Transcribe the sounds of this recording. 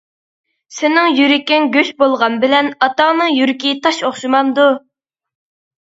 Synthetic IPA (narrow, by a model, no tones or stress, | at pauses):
sɪnɪŋjyɾɪkʲɪŋɡʲøʃbolˠʁɑnbɪlɛnɑt̪ɑŋnɨŋjyɾɪkʲit̪ʰɑʃoχʃimɑnd̪u